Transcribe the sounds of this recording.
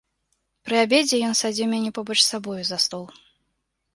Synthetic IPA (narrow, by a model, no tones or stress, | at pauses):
pɾɨabʲed͡zʲɛjɔnsad͡zʲiwmʲanʲɛpɔbɔt͡ʂsabɔjuzast̪ɔlˠ